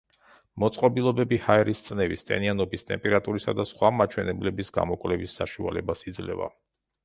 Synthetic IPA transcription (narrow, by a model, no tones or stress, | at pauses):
mɔt̪sʼqʼɔbilˠɔbɛbihaɛɾist̪sʼnɛvist̪ʼɛ̰nianɔbist̪ʼɛ̰mpʼɛɾat̪ʼuɾisad̪asχwamat͡ʃʰwɛnɛblɛbisɡa̰mɔkʼwlɛvisːaʃua̰lɛbasid̪zlɛ̰va̰